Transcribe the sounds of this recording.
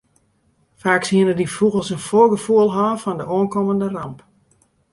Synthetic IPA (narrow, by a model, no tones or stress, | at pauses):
faːkshiənədifuɣəlˠsənfoɡəfuəlˠɦɔːfɔndəʔoːnkoməndərɑmp